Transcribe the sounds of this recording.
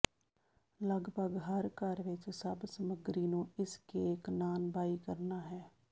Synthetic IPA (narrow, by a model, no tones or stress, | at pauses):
ləɡbʱəɡɦəɾkaːɾʋɪt͡ʃsəbsəməɡɾinũɪskeeːknaːnbʱaːikəɾnaːɦɛː